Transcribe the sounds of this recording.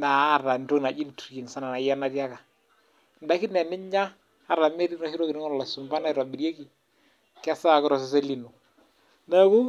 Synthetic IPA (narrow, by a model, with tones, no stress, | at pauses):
na˨˦˨ra˨nto˦kna˨d͡ʒi˦n˨tɾi˨n˨sa˦na˨na˨ja˦na˦ɾja˦ka˨ | nda˨˦ki˦nɛ˨nɪ˦ɲaː˦˨ | ɾa˨me˦ɾi˦nɔ˨˦hi˦ɾo˦ki˨nɪ˦ŋɔ˦˨la˨sʊ˨mba˦na˦˨ɾwa˨bi˨ɾje˦ki˨ | kɪ˦a˦sa˦˨kɪ˦ɾɔ˨s̬ɛ˨sɛ˦li˨nu˨ | da˦ku˦